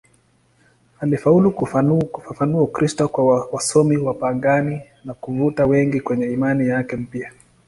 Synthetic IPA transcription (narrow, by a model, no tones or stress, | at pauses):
alifaulukukufafanuaukɾistɔkwawasɔmiwapaŋɡani | nakuvutawɛŋɡikwɛɲɛimanijakɛm̩pia